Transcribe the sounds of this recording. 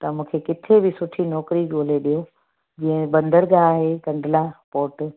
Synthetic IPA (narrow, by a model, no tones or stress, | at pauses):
t̪ɐmũːkʰekɪt̪ʰebɪsʊʈʰinɔːkɾiɡoːleɗijo | d͡ʑĩːɦə̃bɐ̃nd̪əɾɡaːɦekɐ̃ɳɖlapoːʈ